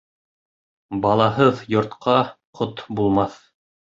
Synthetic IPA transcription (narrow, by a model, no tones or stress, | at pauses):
bɑlˠɑɦɤðjŏɾt̪qʰɑqʰot̪bulˠmɑθ